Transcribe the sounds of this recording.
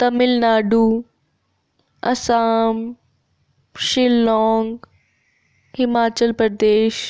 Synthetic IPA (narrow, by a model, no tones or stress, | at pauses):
t̪ɐmɪlnaːɖuː | ɐsaːm | ʃɪlːɔːŋɡ | hɪmaːt͡ɕəlpɾɐd̪eːʃ